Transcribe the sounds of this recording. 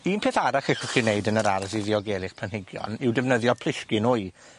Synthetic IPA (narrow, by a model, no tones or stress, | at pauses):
iːnpʰeːθaɾaχɛχɔχineɨdənəɾaɾasiðɪɔɡɛːlˠɪχpʰanɦɪɡjɔ̰nɪwdɛvnəðjɔpʰl̥ˠɪɬkɪnuɨ